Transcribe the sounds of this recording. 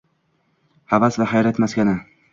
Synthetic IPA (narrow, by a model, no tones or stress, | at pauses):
havasvahajɾat̪maskʲanɪ